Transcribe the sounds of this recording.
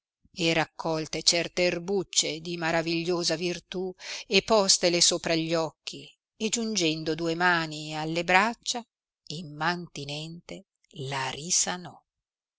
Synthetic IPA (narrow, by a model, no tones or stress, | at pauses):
erakʰːɔlt̪et͡ʃɛrt̪eːrbut͡ʃːed̪imaɾaviʎːoːzavirt̪uepːɔst̪elesoːpɾaʎːɔkːi | ed͡ʒund͡ʒɛnd̪od̪uːemaːnialːebɾat͡ʃːa | ilmant̪inɛnt̪e | larisanɔ